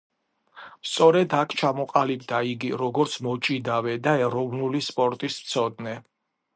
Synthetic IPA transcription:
st̪sʼɔɾɛd̪akʰt͡ʃʰamɔqʼalibd̪aiɡiɾɔɡɔɾt̪sʰmɔt͡ʃʼid̪avɛd̪aɛɾɔvnulispʼɔɾt̪ʼist̪sʰɔd̪nɛ

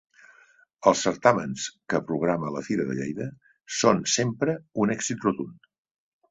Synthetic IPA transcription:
əlˠsəɾt̪amənskəpɾuɣ̞ɾamələfiɾəðə̰ʎḛjðə | sonsempɾəunɛkzit̪rut̪un

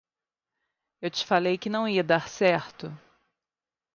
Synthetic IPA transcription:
ewt͡ʃɪ̥falejkɪnɐ̃w̃iɐd̪aɾsɛɾt̪ʊ

